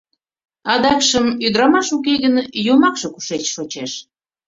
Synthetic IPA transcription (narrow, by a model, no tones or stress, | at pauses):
ɑd̪ɑkʃəmyd̪ɾɑmɑʃuk̬eɣənjomɑkʃoku̥ʃet͡ɕʃot͡ɕeʃ